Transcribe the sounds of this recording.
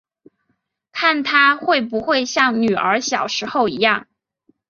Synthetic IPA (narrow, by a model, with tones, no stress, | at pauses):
kʰa˥˩nt̪ʰa˥xwe˥˩ɪpu˧˥xwe˥˧ɪɕjɑ˥˩ŋny˨˩ə˞˧˥ɕjɑ˨˩ʊʂɻ̩˧˥xo˥˩ʊi˧˥jɑ˥˩ŋ